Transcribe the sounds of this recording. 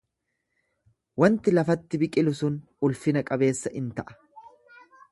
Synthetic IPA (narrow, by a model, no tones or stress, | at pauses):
wɐnt̪ɪlɐfɐt̪ːɪbɪkʼɪlʊsʊn | ʊlfɪnɐkʼɐbe̞ːsːɐʔɪnt̪ɐʔɐ̥